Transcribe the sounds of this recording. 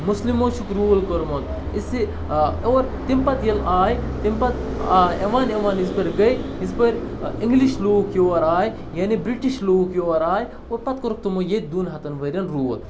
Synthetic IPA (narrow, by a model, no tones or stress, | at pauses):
muslimoːʃʰukɾuːlkoɾmot̪̚ | isi | oːɾt̪impɐt̪jɐlaːjt̪impɐt̪eʋaːneʋaːnisbɐɾɡɐjisbɐɾʲiŋɡliʃloːkjoːɐɾaːj | jaːnibɾiʈiʃloːkjoːɐɾaːj | opɐt̪̚koɾuk̚t̪umojet̪̚d̪unɦɐt̪ɐnʋɐɾʲɐnɾuːʋɐl